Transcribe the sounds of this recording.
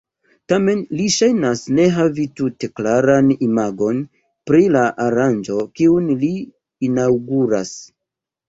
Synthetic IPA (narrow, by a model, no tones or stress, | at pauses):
tame̞nliʃajnasne̞ɦavitute̞klaɾanimaɡo̞n | pɾilaʔaɾand͡ʒo̞kiunliː | nawɡuɾas